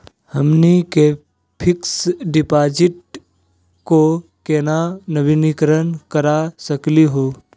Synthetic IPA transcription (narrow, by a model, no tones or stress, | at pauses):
həmnike | pʰɪksɖɪpaːd͡ʒɪʈ̚ | kokeːnanəbɪnikɾənkəɾasəkliɦoː